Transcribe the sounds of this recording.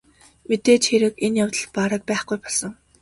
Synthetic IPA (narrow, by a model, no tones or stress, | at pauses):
met̪eːt͡ɕxeɾɘ̆kenjawt̪ə̆ɮpaɾə̆k̚pæːχɡujpɔɮsə̆ŋ